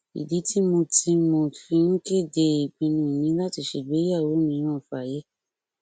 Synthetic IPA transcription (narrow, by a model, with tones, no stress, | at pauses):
ḭ˨di˨˦ti˦mõ˧ti˧mõ˧fĩ˧nũ˦ke˦˨de˧˨k͡pĩ˧nũ˧˨nĩ˨˦la˦ti˧ʃe˧˨ɡ͡be˨˦a˦˨wo˨˦nĩ˧˨˦ɾ̃ã˦˨fa˨je˨˦